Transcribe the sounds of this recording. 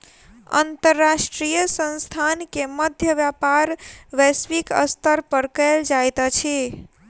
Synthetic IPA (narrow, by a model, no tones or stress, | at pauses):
ə̰nt̪əɾːasʈɾijəsə̃nst̪ʰankeməd̪ʱjəʋjapaɾʋɛsʋikə̰st̪əɾpəɾkəld͡ʒajt̪t͡ʃʰi